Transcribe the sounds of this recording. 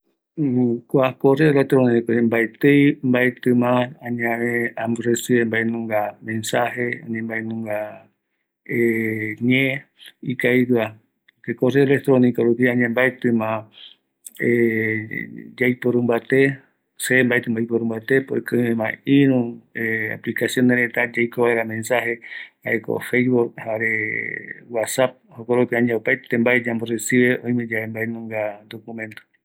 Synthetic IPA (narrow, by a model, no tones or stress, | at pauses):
kʷakoreolek̚t̪ɾoniikombaet̪ejmbaet̪ɨ̃mããɲãβẽamresɨembaenũŋɡamẽnsaheã̰ɲẽmbaenũŋɡa | eɲẽ | ikajɾɨa | kekoreolek̚t̪ɾonikaɾupiãɲãmbaet̪ɨ̃mã | e | d͡ʒajpoɾũmbat̪e | sembaet̪ɨmbajpoɾũmbat̪epoekɨẽmãiɾũea̰plikasjõ̞neɾet̪ad͡ʒajkoβaeɾamẽ̞nsahehaeko̰fejβuk̚haɾe | wasap̚hokoɾupiãɲãopajt̪embaed͡ʒamboresiβeõ̞j̃mẽ̞d͡ʒaembaenũŋɡad̪okumẽ̞nt̪o̥